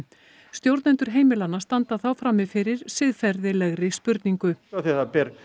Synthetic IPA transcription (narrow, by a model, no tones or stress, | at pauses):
st̪jowɾt̪nɛnt̪ʏɾ̥ɦeːjmɪlanːast̪ant̪aθawfɾaːmːɪfɪɾɪɾ̥sɪðfɛɾðɪlɛɣɾɪspʏɾt̪niŋkʏaθiɛθapɛɾ